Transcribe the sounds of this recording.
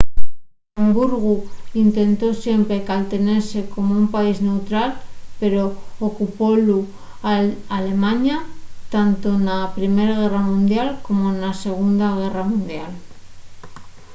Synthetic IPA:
ambuɾɣuint̪e̞nt̪o̞sje̞mpɾe̞kalt̪e̞ne̞ɾse̞ko̞moumpaizne̞wt̪ɾalpe̞ɾo̞ːkupo̞lu | aale̞maɲat̪ant̪o̞napɾime̞ɾaɣ̞e̞ramũnd̪jalko̞mo̞nase̞ɣ̞und̪aɣ̞e̞ramũnd̪jal

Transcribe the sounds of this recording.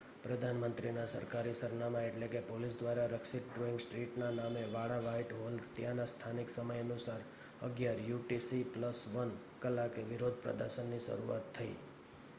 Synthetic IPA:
pɾəd̪ʱanmənt̪ɾinasə̰ɾkaɾisəɾnamãeʈlekepolis̬d̪ʋaɾaɾəksɪʈ̚ɖɾoɪ̃ŋɡsʈɾiʈnanameʋaɽaʋaiʈɦolɡt̪janast̪ʰanɪksəməjənusaɾ | ə̰ɡjaɾjuʈisipləsʋən | kəlːakeʋɪɾod̪ʱpɾə̰d̪əɾʃənːiʃə̰ɾuat̪ʰːəḭ

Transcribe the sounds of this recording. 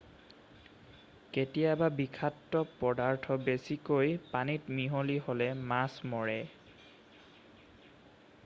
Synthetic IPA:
ketijababikʰatːɔpɔdaɹtʰɔbesikojpanitmiɦoliɦolɛmasmɔɹɛ

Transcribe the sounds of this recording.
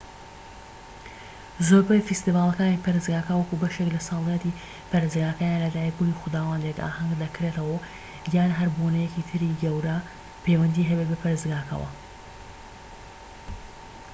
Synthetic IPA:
zoɾbɐjfist̪ivaːlˠɐkaːniːpʰɐɾɨzɡaːkɐwɐkubɐʃeklɐsɑlˠijɛt̪i | pɐɾezɡaːkajaːnlɐd̪aːjiɡuliːxʊd̪aːwaːnd̪eka̰ːhɐŋɡd̪ɐkɾet̪ɐwɐ | jjaːnɦɐɾbonɐjɛcit̪ʰɨɾiɡɐwɾɐ | pʰejwɐnd̪iːɦɐbet̪̚bɐpʰɐɾezɡaːkʰɐ̰wɐ̰

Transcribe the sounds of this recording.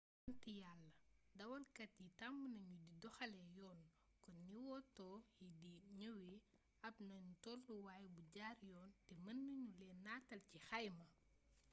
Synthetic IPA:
ɐntijalːɐdɐwɐlkɐtjitambnɐɲudidɔxɐlɛjɔːn | kɔnːiwɔtɔːjidiɲɐwi | ɐpnɐɲutɔlduwaːjbuɟaːrjɔːntɛmɐnːɐɲulɛːnːaːtɐlcixɐjmɐ

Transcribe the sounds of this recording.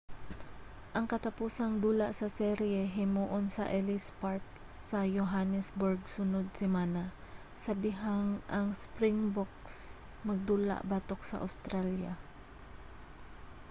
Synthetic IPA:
ʔɐŋkɐt̪ɐpuːsɐŋd̪uːlaʔsɐsɛɾjɛɦɪmuːʔonsɐ̰ʔɛlɪspaɹk̚ | sɐjoɦanɛsboɹɡsʊnod̪̚sɪmana | sɐd̪ɪɦaŋʔɐŋspɾɪŋbok̚s | mɐɡ̚d̪uːla̰ʔbat̪ok̚sɐ̰ʔa̰wst̪ɾalja

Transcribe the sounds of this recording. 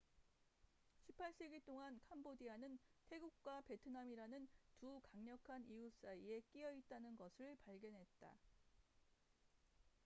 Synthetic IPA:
ɕʰipʰaɭs͈e̞ɡit͈oŋankʰambodianɯntʰe̞ɡuk̚k͈wape̞tʰɯnamiɾanɯntukaŋɲʌkʰanijus͈aie̞k͈iʌit̚t͈anɯnɡʌsʰɯɭpaɭɡjʌnɦe̞t̚t͈a̰

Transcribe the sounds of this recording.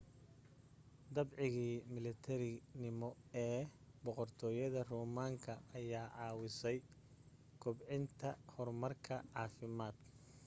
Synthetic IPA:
d̪ɐbʕɪɣiːmɪlɐt̪ʰɛɾɪnɪmɔɛːbɔqɔrt̪ʰɔːjɐðɐruːmaːŋkʰɐːjaːʕɑːwɪsɛj | kʰʊbʕɪnt̪ʰɐhɔrmɐrkʰɐʕɑːfɪmaːd̪

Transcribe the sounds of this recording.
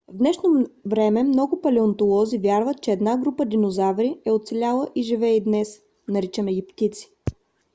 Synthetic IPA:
vd̪nɛʃnovɾɛmɛmnɔɡʊpɐlɛont̪olˠɔzivjaɾvət̪̚t͡ʃɛːd̪naɡɾupəd̪inozavɾiɛot̪sɛlʲalˠəʔiʒivɛid̪nɛs | nɐɾit͡ʃəmɛɡʲipt̪it̪si̥

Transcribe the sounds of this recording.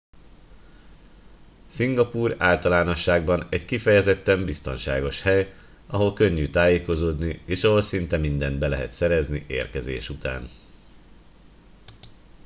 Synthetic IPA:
siŋɡɒpuːra̰ːlt̪ɒlaːno̞ʃːaːɡbɒnɛɟkifɛjɛzɛt̪ːɛmbist̪o̞̰nʃa̰ːɡo̞ʃhɛj | ɒɦo̞lkø̞ɲːyt̪aːjeːko̞zoːd̪nieːʃɒɦo̞lsint̪ɛmind̪ɛnd̪bɛlɛɦɛ̰t̪sɛɾɛzniʔḛːrkɛzḛːʃut̪a̰ːn

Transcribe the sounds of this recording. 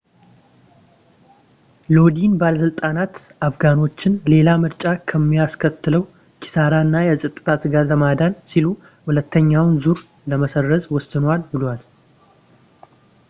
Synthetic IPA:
lo̞d̪inbaləsɨlt̪ʼanat̪ | afɡano̞t͡ʃːɪnle̞lamɨɾt͡ʃʼakʰəmːijaskʰət̪ːɨləw | kʰi̥saɾanːajɛsʼət̪ʼɨt̪ʰat̪ɡaɾləmad̪ansilu | hulət̪ʰːəɲːawnzuɾ | ləməsərːəzʼwɔsɨnwalbɨlwal

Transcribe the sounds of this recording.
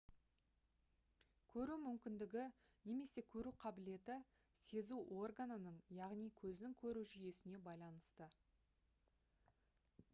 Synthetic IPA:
kʲʰɵɾumʏmkʲɪnd̪ɪɡʲɪ | ne̞me̞se̞kʲʰɵɾuqʰɑbɪle̞t̪ɪ | se̞zuʔo̞rɡanənəɴjɑʁnijkʲʰɵznɪŋkʲʰɵɾuʒʏje̞sɪne̞bɑjlˠɑnəst̪ə

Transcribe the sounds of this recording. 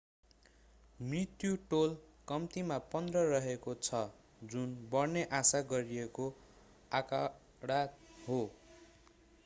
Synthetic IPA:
mrit̪juʈolkʌmt̪imapʌnd̪rʌrʌɦekot͡sʰʌ | d͡zunbʌrneʔasaɡʌɾieko | aka | ɽat̪̚ɦo

